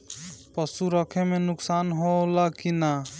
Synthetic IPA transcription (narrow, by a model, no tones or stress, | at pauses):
pəsuɾəkʰemenʊksanɦolakina